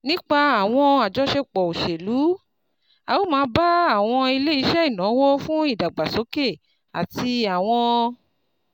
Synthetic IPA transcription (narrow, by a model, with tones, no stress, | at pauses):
nĩ˦k͡pa˧a˨w̃ɔ̃˧a˨d͡ʒɔ˨˦ʃe˧k͡pɔ˨o˨ʃe˨lu˨˦ | a˨wo˦mãː˨˦ba˦a˦˨w̃ɔ̃˧i˧le˦i˧˦ʃɛ˦i˦˨nã˨˦wɔ˦fũ˦i˦˨da˨ɡ͡ba˨so˨˦ke˦˨ | a̰˨ti˧a˨w̃ɔ̃˧